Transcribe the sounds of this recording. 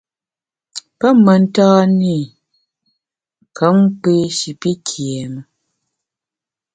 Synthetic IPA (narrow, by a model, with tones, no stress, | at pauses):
pə˦mə˨n̩˦taː˦ni˦˨ | kə˨˦m˦pe˦ʃi˨pi˦kʰjɛ˨mə˨